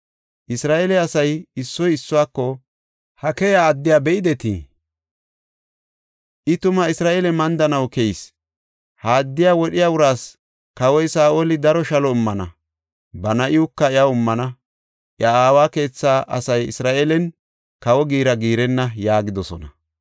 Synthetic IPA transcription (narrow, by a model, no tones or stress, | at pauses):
ʔɪsɾaːʔelɛɐsɐjɪsːɔjɪsːʊwaːkːɔ | hɐkɛjaːd̪ːɪjaːbɛɪd̪ɛt̪ḭː | ʔɪt̪ʊmɐɪsɾaːʔelɛmɐnd̪ɐnɐwkɛjs | haːd̪ːɪjaːwɔɗɪjaʊɾaːs | kɐwɔjsaːʔoːlɪd̪ɐɾɔʃɐlɔʊmːɐnɐ̰ | bɐnɐʔɪʊkːɐɪɐʊmːɐnɐ | ʔɪɐaːwaːke̞ːt͡sːaːʔɐ̰sɐjɪ̰sɾaːʔelɛn | kɐwɔɡiːɾɐɡiːɾɛnːɐjaːɡɪd̪ɔsɔ̰nɐ̰